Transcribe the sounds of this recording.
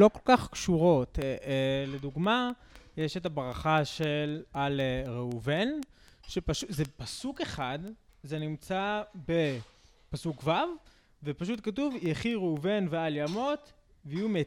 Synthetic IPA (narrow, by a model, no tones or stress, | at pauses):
lo̞kolkaχkʃuʁo̞tele̞duɡmajeʃetabʁaχaʃelaleʁeuvenʃepaʃuzepasuke̞χad̪ | zenimt͡sabe̞ | pasukvav | vepaʃutkatuvjeχiʁeuve̞nvealjamo̞t̪ | veiume